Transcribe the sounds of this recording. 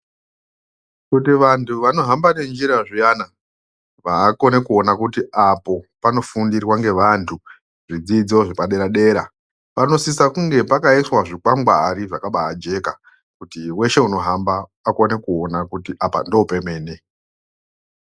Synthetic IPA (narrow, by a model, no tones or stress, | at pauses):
kutiʋantʰuʋano̞ɦambane̞nd͡ʒiɾaʐijana | ʋaːko̞ne̞kuo̞nakutiapo̞pano̞fundirwaŋɡe̞ʋantʰu | ʐid͡zid͡zo̞ʐipaɗe̞ɾaɗe̞ːɾa̰ | pano̞sisakuŋɡe̞pakaiswaʐikwamɡwaːɾiʐakaɓaːd͡ʒe̞ka | kutiwe̞ʃe̞uno̞ɦambaː | kone̞kuo̞nakutiʔapa̰ndo̞upe̞me̞ːne